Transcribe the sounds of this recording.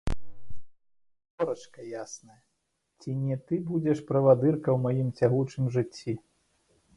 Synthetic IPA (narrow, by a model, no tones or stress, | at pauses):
vɔɾɐt͡ʂkɐjasnɐjɐ | t͡sʲinʲɛt̪ɨbud͡zʲɛʂpɾɐvad̪ɨrkɐwmajimt͡sʲaɣut͡ʂɨmʐɨt͡sʲːi